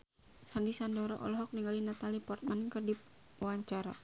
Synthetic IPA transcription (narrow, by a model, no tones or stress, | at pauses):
sandisandɔɾɔʔɔ̰lɔɦɔk̚niŋɡalinat̪alipɔrt̪̚mankərdi | waɲt͡ʃaɾa̰